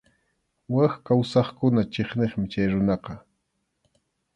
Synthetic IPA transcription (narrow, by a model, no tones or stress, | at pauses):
waxkawsɑχkʊnat͡ʃeχneχmɪt͡ʃajɾʊnɑqɑ